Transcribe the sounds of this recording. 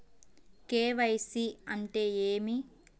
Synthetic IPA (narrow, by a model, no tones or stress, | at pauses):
keːʋɐjsiɐɳʈe̞ːeːmi